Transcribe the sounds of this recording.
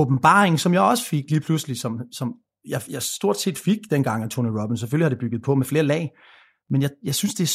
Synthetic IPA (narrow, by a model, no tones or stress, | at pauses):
ob̥m̩b̥ɑ̰̈ːʁeŋ̩sɒ̽mjɑ̈ɪɒ̽sə̥fe̝ɡ̥liːpʰlusəlisɒ̽msɒ̽m | jɑ̈ɪjɑ̈ɪsd̥o̝ɐ̰d̥se̝̰ːd̥fe̝ɡ̥̚d̥enɡ̥ɑ̈ŋ̰ænt͡sʰoniʁɔb̥insefølihɾ̥e̝b̥yɡ̥ð̞̩ˠpʰɒ̽mefle̝ːɐlɛ̰ː | menjɑ̈jɑ̈ɪsynsd̥e̝